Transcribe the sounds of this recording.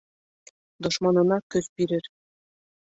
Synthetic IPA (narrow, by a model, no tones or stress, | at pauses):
d̪ŏʃmɑnɤ̆nɑkɵzpiɾɘ̆ɾ